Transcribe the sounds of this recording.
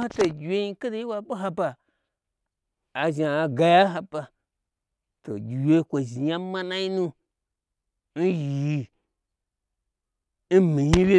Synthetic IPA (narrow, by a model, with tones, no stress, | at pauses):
a˦to˨ɡʲi˨we˦ji˦ka˦de˨˦i˦wa˨ɓo˦ɦa˧ba˨ | a˨ʒa˨ɡa˨ja˦ɦa˨pa˨ | to̰˨ɡʲi˨we˦kʷo˨ʒi˨ja˦ma˦na˦i˦nu˦ | n̩˦ji˨ | n̩˦mi˨ɲi˦wʲe˦